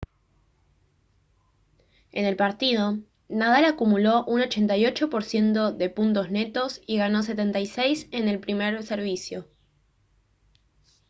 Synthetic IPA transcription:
e̞ne̞lpaɾt̪ið̞o̞ | nað̞alakumulo̞ʔuno̞t͡ʃe̞nt̪ajo̞t͡ʃo̞po̞ɾsje̞nt̪o̞ðe̞punt̪̬o̞zne̞t̪o̞siɣano̞s̬et̪e̞nt̪ajsejse̞ne̞lpɾime̞ɾse̞ɾβ̞isjo̞

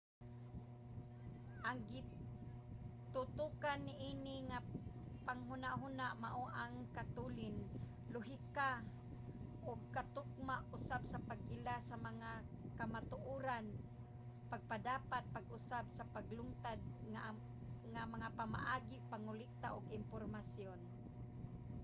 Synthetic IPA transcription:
ʔaŋɡi | t̪ʊt̪ukanːɪʔinɪŋapaŋɦʊnaʔɦunaʔma̰ʔoʔaŋkat̪ulɪn | lʊɦika | ʔʊɡ̚kat̪ʊk̚maʔʊsabsapaɡ̚ɪlasamaŋa | kamat̪ʊʔuːɾan | paɡ̚padaːpat̪̚paɡʊsabsapaɡlʊŋt̪ad̪̚ŋa | ŋamaŋapama̰ʔaːɡɪʔpaŋʊlɪk̚t̪aʔʊɡɪmpormasjʊn

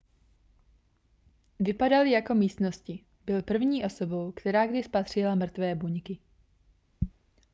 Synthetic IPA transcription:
vɪpadalɪjako̞miːst̪no̞scɪ | bɪlpr̩vɲiːʔo̞so̞bo̞wkt̪ɛɾaːɡdɪspat̪r̝̥ɪlamr̩t̪vɛːbuɲkɪ

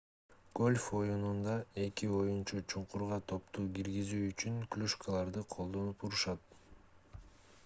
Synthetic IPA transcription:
ɡ̥o̞lʲfo̞junund̪ɑe̞kio̞junt͡ʃɑt͡ʃʰuɴquɾʁɑt̪ʰo̞pt̪uːɡiɾɡizyːt͡ʃyŋklʲuʃkʰəlˠɑɾd̪ɯqʰo̞lˠd̪o̞nupuɾuʃɑt̪

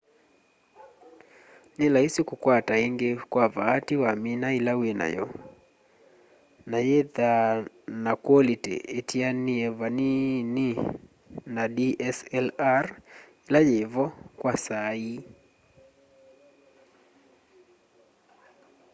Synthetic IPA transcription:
nɪlaisikukwataeŋɡekwavatiwaminailawena̰jɔ̰ | najeða | nakwɔlitḛːtʰianiɛvanini | nadiʔɛsɛlar | ilajevɔkwasai

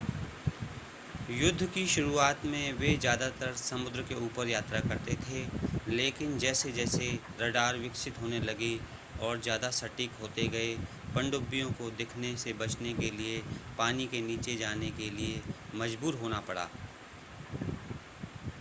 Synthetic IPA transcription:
jʊd̪ʱːkiʃʊɾuaːt̪mẽʋezjaːd̪at̪əɾsɐmʊd̪ɾəkeuːpəɾjaːt̪ɾakɐɾt̪et̪ʰeleːkɪnd͡ʒɛːsed͡ʒɛːseɾɐɖaːɾʋɪkʃɪt̪ɦoːnelɐɡe | ɔːɾzjaːd̪asɐʈiːkɦoːt̪eɡɐe | pɐ̃ɳɖʊbːijõkod̪ɪkʰnesebɐt͡ʃnekeliepaːnikeniːt͡ʃed͡ʒaːnekeliemɐd͡ʒbuːɾɦoːnapɐɽa̰ː

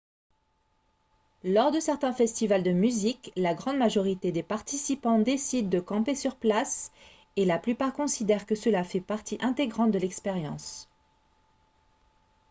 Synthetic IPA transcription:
lɔʁd̪əsɛʁt̪ɛ̃fɛst̪ivald̪əmyziklaɡʁɑ̃d̪maʒɔʁit̪ed̪epaʁt̪isipɑ̃d̪esid̪ːəkɑ̃pesyʁplas | elaplypaʁkɔ̃sid̪ɛʁkəsəlafɛpaʁt̪iʔɛ̃t̪eɡʁɑ̃t̪̚d̪əlɛkspeʁjɑ̰̃s

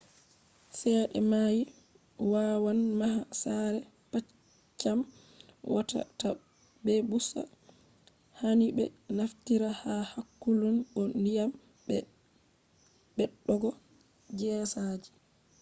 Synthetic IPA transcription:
sɛɗɛ̰maji | wawanmaɦasaɾɛ | pat͡ʃ | t͡ʃːam | wata̰ta | bɛbusa̰ | hanibɛ̰naftiɾahahakːulunɓɔndijam | bɛ | bɛɗːɔɡɔ | d͡ʒɛːsad͡ʒi̥

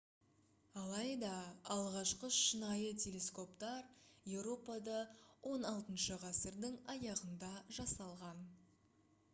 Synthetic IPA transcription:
ɑlˠɑjd̪ɑɑlˠʁɑʃqəʃənɑjət̪ʰʲe̞lʲe̞sko̞pt̪ɑɾje̞wɾo̞pɑd̪ɑwʔo̞nɑlˠt̪ənʃəʁɑsəɾd̪ɪŋɑjɑʁənd̪ɑʒɑsɑlˠʁɑn

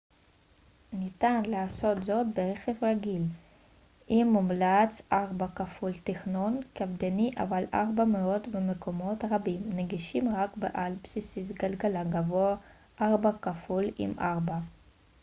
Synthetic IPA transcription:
nit̪anlaaso̞t̪zo̞t̪beʁeχefʁaɡil | ʔimːumlat͡sʔaʁbakafult̪iχno̞nkavd̪eniʔa̰valʔa̰ʁbameo̞t̪bemekʰo̞mo̞t̪ʁabimneɡiʃimʁakbḛʔalpsisiz̬ɡalɡalaɡavoa | ʔaʁbakafulḭmʔaʁba

